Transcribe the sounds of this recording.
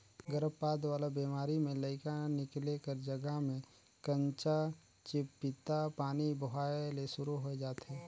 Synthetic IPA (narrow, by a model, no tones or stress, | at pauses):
ɡəɾəbpaːd̪ʋaːlabiːmaːɾimẽləɪkanɪklekəɾd͡ʒəɡəɦmẽ | kə̃ɲt͡ʃa | t͡ʃɪpːɪt̪apaːnibəɦaːjlesʊɾuɦoed͡ʒaːt̪ɦɛː